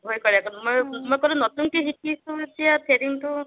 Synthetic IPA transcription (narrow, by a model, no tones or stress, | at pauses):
ɦojkɔɾiakɔnmojmɔjkɔɾũnɔtuŋkeɦikisuet͡ʃʰiat̪ʰeɾiŋtu